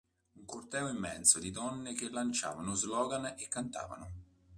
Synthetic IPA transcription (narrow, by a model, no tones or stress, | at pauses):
uŋkort̪ɛːoimːɛ̰nsod̪id̪ɔnːɪk̟elːant͡ʃa̰ːvanʊzlɔːɡanekːant̪a̰ːva̰nʊ